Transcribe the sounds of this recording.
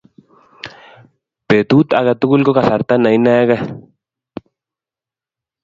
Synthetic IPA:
pe˨t̪ut̪aɡat̪u˦ku˦lkokaθa˨ɾt̪a˦na˨i˦na˦ɡa˦

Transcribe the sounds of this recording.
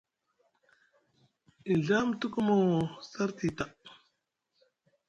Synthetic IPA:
i˨ɮa˦mtu˦ku˦mo˨sa˦ɾti˨ta˨ʔ

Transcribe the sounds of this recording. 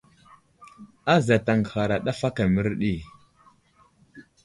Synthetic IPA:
a˦za˨ta˨ŋɡha˨ɾa˨ɗa˦fa˦ka˨mə˦ɾɗi˦˨

